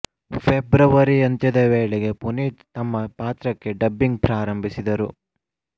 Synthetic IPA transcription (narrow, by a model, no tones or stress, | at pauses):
pʰebɾɐʋɐɾiɐnt̪ɐd̪eʋeːɭeɡe̞puniːt̪t̪ɐmːɐpaːt̪ɾɐkːe̞ɖɐbːiŋɡ̚pɾaːɾɐmbʱisid̪ɐɾṵ